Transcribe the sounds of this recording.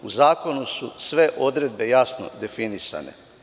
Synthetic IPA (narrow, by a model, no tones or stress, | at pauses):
uzaːko̞nususʋe̞ʔo̞d̪ɾe̞d̪̚be̞jasno̰d̪e̞finisa̰ne̞̰